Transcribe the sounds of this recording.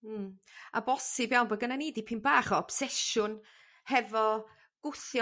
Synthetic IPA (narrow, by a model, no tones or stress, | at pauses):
a̰bɔsɪbjawnbəɡənaniːdipʰinbaːχɔɔb̥sɛʃʊn | hɛvɔ | ɡ̥ʊθjɔ